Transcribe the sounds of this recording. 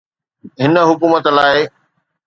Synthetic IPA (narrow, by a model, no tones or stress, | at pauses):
ɦɪnə̆ɦʊkuːmət̪laːɪ